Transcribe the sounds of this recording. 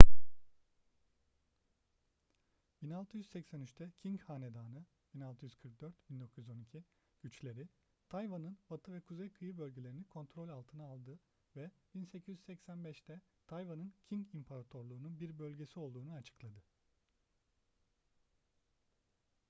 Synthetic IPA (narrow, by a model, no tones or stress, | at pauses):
binalˠt̪ʰɯjyzsɛcsænyt͡ʃt̪ʰɛcʰiŋchaːne̞d̪aːnɯ | b̥inalˠt̪ʰɯjyz̥kʰɯɾk̚d̪̥øɾt̪b̥ind̪o̞kʰujyzo̞nicʰi | ɟ̥yt͡ʃlʲe̞ɾi | t̪ʰajvanɯnbat̪ʰɯvɛkʰuzejkʰɯjɯbølʲɟylʲe̞ɾinikʰo̞nt̪ʰɾo̞lʲalˠt̪ʰɯnaalˠd̪ɯ | vɛb̥inse̞cʰizyssɛcsænbɛʃt̪ɛt̪ʰajvanɯncʰiŋcimpʰaɾat̪ʰo̞ɾlˠuːnunbiɾbø̞lʲɟe̞sio̞lˠd̪uːnuat͡ʃʰɯ̥klˠad̪ɯ